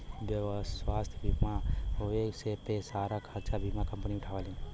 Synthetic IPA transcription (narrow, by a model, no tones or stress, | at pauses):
bjəʋswast̪ʰjbʱimaoeksepesaɾakʰaɾt͡ʃabʱimakəmpniʊʈʰaʋalĩ